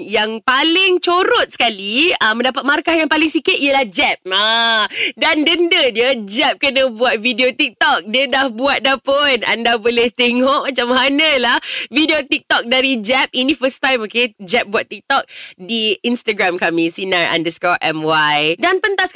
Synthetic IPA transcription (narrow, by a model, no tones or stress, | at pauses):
jaŋpalɪŋt͡ʃoɾʊt̪̚sə̥kaliəmə̃ndapat̪̚markahjaŋpalɪŋsikɪt̪̚iəlahd͡ʒɛp̚a | dandəndədiəd͡ʒɛp̚kənə̃buat̪̚vidiot̪ik̚t̪ɔk̚diədahbuat̪̚dapʊna̰ndabolɛht̪eŋɔʔmat͡ʃamanalahvidiot̪ik̚t̪ɔk̚daɾid͡ʒɛp̚ʔinĩfəst̪ajmoked͡ʒɛp̚buat̪ːik̚t̪ɔk̚diinst̪aɡɾamkamĩsinaɹa̰ndəskɔʔɛmwajdanpənt̪as